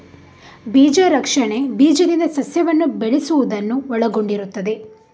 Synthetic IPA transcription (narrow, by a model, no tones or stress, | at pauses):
biːd͡ʒɐɾɐkʂɐɳe̞biːd͡ʒɐd̪ind̪ɐsɐsjɐʋɐnːubeɭesuʋud̪ɐnːuɔɭɐɡo̞ɳɖiɾut̪ːɐd̪e̞